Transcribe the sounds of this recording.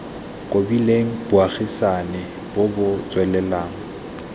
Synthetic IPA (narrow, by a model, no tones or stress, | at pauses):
kʼobileŋ̩b̥ʊaχisanɛ | bʊbʊt͡sʼwɛlɛlaːŋ̩